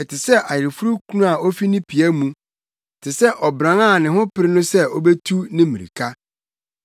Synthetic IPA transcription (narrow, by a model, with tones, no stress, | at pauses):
ɛ˨tʰɪ˨sɛ˦ʔa˨jɪ˨ɾfu˦ɾu˦kʰu˦nũ˦a˨ɔ˦fi˦nĩ˦pʰi˨æ˦mũ˦˨ | tʰɪ˨sɛ˦ʔɔ˨bɾã˨˦ŋa˦˨nɪ̃˨ɦʊ̃˦pɪ˨ɾɪ˦nʊ̃˦sɛ˦ɔ˦be˦tʰu˦nɪ̃˦mĩ˨ɾḭ˨kʰa˦